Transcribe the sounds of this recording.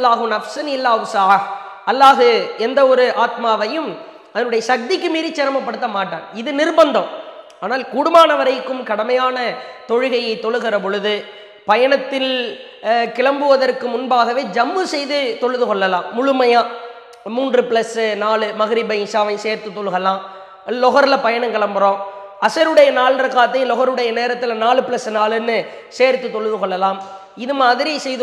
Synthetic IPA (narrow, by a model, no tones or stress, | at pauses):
lːaːɣɯnɐfsɐnɪlːaːʋʊsɐʕɐ | ɐlːaːɣɯɛnd̪ɐɔɾɯʔaːt̪maːʋɐjɯm | ɐðɐnɯɽɐjɐsɐk̚d̪ɪkːɯmiːɾit͡ʃːɪɾɐmɐpːɐɽɯt̪ːɐmaːʈːaːnɪðɯnɪrbɐnd̪ɐ̃m | aːnaːlkuːɽɯmaːnɐʋɐɾɐɪkːɯmkɐɽɐmɐjaːnɐt̪ɔɻɯɣɐjɐɪt̪ːɔɭɯɣɪrɐp̬ɔɻɯðɯ | pɐjɐɳɐt̪ːɪl | kɪɭɐmbɯʋɐðɐrkɯmʊnbaːɣɐʋeːd͡ʒɐmːɯsɛjðɯt̪ɔɻɯðɯkɔɭːɐlaːmːʊɻʊmɐjaː | muːndrɯpɪlɐsɯnaːɭɯmɐɣɪɾɪbɐɪɪʂaːʋɐɪseːɾt̪ɯt̪ːɔɭɯɣɐlaːm | lɔɣɐɾlɐpɐjɐɳɐmkɪɭɐmbɯɾõːɐsɐɾɯɽɐjɐnaːɭrɐkːaːt̪ːɐjlɔɣɐɾɯɽɐjɐneːɾɐt̪ːɪlnaːɭɯpɪlɐsɯnaːɭɯnːɯ | seːɾt̪ɯt̪ːɔɻɯðɯkɔɭːɐlaːm | ɪðɯmaːðɪɾɪjɐɪsɛjðɯ